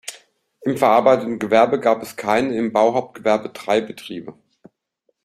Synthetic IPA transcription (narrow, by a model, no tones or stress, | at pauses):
ʔɪmfɛɐʔaɐbaɪtətn̩ɡəvɛɐbəɡaːpɛskʰaɪnəɪmbaʊɦaʊp̚t̚ɡ̥əvɛɐbədʁaɪbətʁ̥iːbə